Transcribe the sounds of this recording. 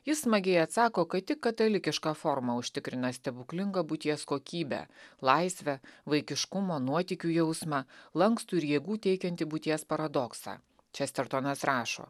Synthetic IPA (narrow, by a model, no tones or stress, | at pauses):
jɪssmɐɡʲɛɪɐt̪sɑːkoːkɐt̪ʲɪkːɐt̪ɐlʲɪkʲɪʃkɑːfɔɾmɐʊʃʲt̪ʲɪkɾʲɪnɐsʲt̪ʲɛbʊklʲɪŋɡɐbʊt̪ʲiɛskoːkʲiːbʲæ̰ːlˠɐɪsʲʋʲɛʋɐɪkʲɪʃkʊmoːnuɔt̪ʲiːkʲuːjɛʊsmɑlˠɐŋkst̪uːɪɾjiɛɡuːt̪ʲɛɪkʲɛnt̪ʲɪbut̪ʲiɛspɐɾɐd̪ɔksɑ̰ː | t͡ʃʲɛsʲt̪ʲɛɾt̪oːnɐsɾɑːʃo̰ː